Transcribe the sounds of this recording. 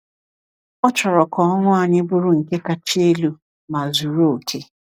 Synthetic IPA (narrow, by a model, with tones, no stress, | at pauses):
ɔ˦t͡ʃɔ˨ɾɔ˨kʰɔ˨ɔ˦ŋʷʊ˦a˨ɲɪ˦bʊ˦ɾʊ˦˨ŋ̩˨ke˦ka˨t͡ʃi˦e˦lu˦ | ma˨zu˨ɾo˦o˨kʰe˦